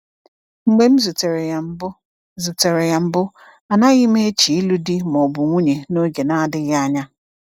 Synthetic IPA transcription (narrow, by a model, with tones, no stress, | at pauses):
ŋ͡m̩˨ɡ͡be˦m̩˦zu˨te˨ɾe˨a˨m̩˦bʊ˦ | zu˨te˨ɾe˨ɣa˨m̩˦bʊ˦ | a˨na˦ɣɪ˦me˦e˦t͡ʃi˨i˦lu˦di˦mɔ˨bʊ˨ŋʷu˦ɲe˨no˦ɡe˨na˦dɪ˦ɣa˦ɲa˦